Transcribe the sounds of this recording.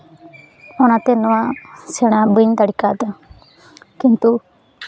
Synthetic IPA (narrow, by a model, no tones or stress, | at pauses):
ɔñat̪ɛnɔwasɛɽ̃abəɲd̪aɽikad̪a | kint̪u